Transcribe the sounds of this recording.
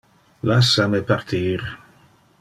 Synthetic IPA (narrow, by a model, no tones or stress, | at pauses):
lasamepart̪ʰiːɾ